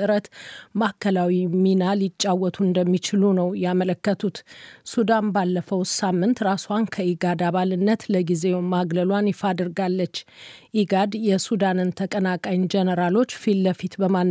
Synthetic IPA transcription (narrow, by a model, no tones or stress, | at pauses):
ɨɾət̪makʰːəlawiminalit͡ʃʼːawːɔt̪ʰuɨnd̪əmːit͡ʃɪlunəwjɛamələkːət̪ʰut̪sud̪anbalːəfəwsamːɨnt̪ɾaswankʰəiɡad̪aβalɨnːət̪ləɡize̞wmaɡləlwanjɪfad̪ɨɾɡalːət͡ʃːʔiɡad̪jɛsud̪anɨnt̪ʰəkʼənakʼajnd͡ʒɛnəɾalo̞t͡ʃːfilːəfit̪bəman